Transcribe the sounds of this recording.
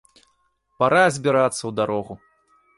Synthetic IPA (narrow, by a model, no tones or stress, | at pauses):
paɾajɛzʲbʲiɾat̪sːɐwd̪aɾɔɣu